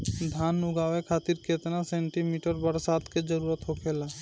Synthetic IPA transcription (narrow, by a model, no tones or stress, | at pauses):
d̪ʱaːnʊɡaːʋekʰaːt̪iɾkeːt̪nasẽːɳʈimiːʈəɾbəɾsaːt̪ked͡ʒəɾuːɾət̪ɦokʰeːlaː